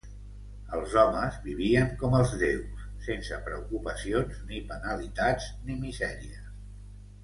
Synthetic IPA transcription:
əlˠzɔməzβiβ̞iəŋkɔməlˠzðewsːensəpɾə̰ukupəsionznipənəlit̪ad͡znimizɛɾiə

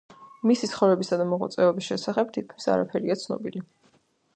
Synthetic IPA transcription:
misit̪sʰχɔvɾɛbisad̪amɔʁa̰t̪sʼɛɔbisʃɛsaχɛb̚t̪ʰit̪̚kʰmisa̰ɾapʰɛɾiat̪sʰnɔ̰bili

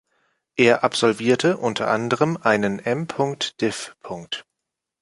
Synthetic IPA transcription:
ʔeːɐʔapz̥ɔlviːɐtʰəʔʊntʰɐ̰ʔandəʁəmʔaɪnənʔɛmpʰʊŋk̚td̥ɪfpʰʊŋk̚t

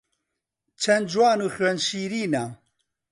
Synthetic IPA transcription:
t͡ʃʰɛnd͡ʒwaːnuːxɥɛnʃiːɾiːna

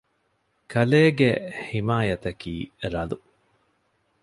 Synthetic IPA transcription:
kʰɐleːɡehimaːjɐt̪ɐkiːɾɐlu

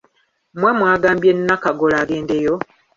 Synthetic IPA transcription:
mwemwaːɡaːmbjenːakaɡolaɡeːndejo

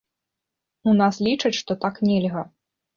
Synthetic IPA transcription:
unaslʲit͡ʂɐt͡sʲʂt̪ɔt̪aknʲɛlʲɣɐ

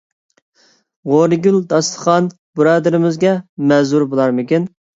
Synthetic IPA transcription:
ʁoɾɨɡʲyld̪ɑst̪ʰə̥χɑn | buɾɑːd̪ɪɾɪmɪzɡʲɛmɛzuɾbolˠɑɾmɪkʲin

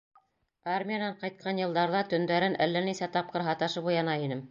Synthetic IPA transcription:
armʲijanɑɴqɑjt̪̚qʰɑnjɤ̆lˠd̪ɑɾðɑt̪ɵ̆nd̪æɾɘnʔælːænisæt̪ɑp̚qɤɾɦɑt̪ɑʃɤbujɑnɑinɘm

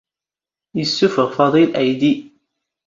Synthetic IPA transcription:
jəsːufəʁfɑðˤilʔæjd̪i

